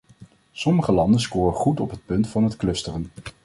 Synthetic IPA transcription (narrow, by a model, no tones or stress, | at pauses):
sɔməχəlɑndənskʊːrəχutɔpɦət̚pɵntfɑnɦətklɵstərən